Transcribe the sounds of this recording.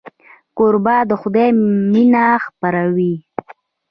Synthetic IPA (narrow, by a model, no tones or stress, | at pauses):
koɾbad̪əxʊd̪ejminaxpaɾawi